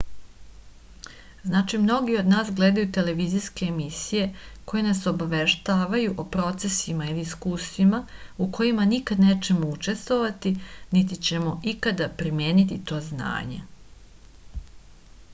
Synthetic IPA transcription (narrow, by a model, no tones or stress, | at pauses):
znaːt͡ʃimno̞ɡio̞d̪naːsɡle̞ːd̪ajut̪e̞le̞ʋiziske̞ːmisije̞ko̞jenaso̞baʋe̞ʃt̪aːʋajuʔopɾo̞t̪se̞simailiiskuːsimauko̞jimanikad̪ne̞ːt͡ʃe̞mout͡ʃe̞st̪ʋo̞ʋat̪init̪̬it͡ɕe̞mo̞ikad̪apɾimje̞ːnit̪it̪o̞ːzna̰ːɲe̞̰